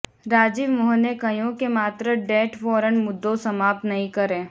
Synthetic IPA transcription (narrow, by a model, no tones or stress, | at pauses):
ɾaːd͡ʒɪʋmʊɦənekɐjõkemaːt̪ɾəɖɛːʈfɔːɾənmʊd̪ːõsɐmaːp̚t̪nɐɦĩkɐɾẽː